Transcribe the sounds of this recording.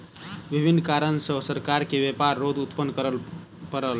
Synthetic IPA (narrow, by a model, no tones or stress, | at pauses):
bibʱinːkaɾənsə̃səɾkaɾkebepaɾːod̪ut̪pənːkɾ | pəɾəl